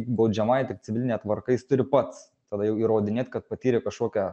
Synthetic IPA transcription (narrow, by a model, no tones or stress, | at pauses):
ɪkbɐʊd͡ʒʲɛmɐjt̪ʲɪk̪̚sʲɪʋʲɪlʲnʲɛt̪ʋɐɾkɐjɪst̪ʊɾʲɪpɐt̪s | t̪ɐd̪ɐjɛʊiːɾoːd̪ʲɪnʲeːt̪ʲkɐt̪̚pɐt̪ʲiːɾʲɪkɐʃkoːkʲɛ